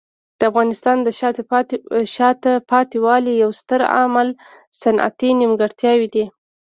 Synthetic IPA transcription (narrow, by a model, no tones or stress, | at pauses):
d̪̥əafɣɑnɪst̪ɑnd̪ə | ʃɑt̪apɑt̪iwɑlijawst̪əɾa̰mal | sana̰t̪inimɡəɽt̪jɑwid̪i